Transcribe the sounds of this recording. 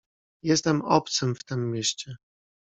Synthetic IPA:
jɛst̪ɛmɔp̚t̪sɘmft̪ɘmːʲjeɕt͡ɕɛ

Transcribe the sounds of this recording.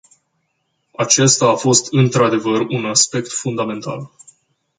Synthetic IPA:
at͡ʃe̞st̪aːfo̞st̪ɨnt̪ɾad̪e̞vərunaspe̞kt̪fund̪ame̞nt̪a̰l

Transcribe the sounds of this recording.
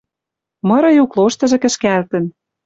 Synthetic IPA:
mɤ̆ɾɤ̆jukloʃt̪ɤ̆ʒɤ̆kɘ̆ʃkælt̪ə̆n

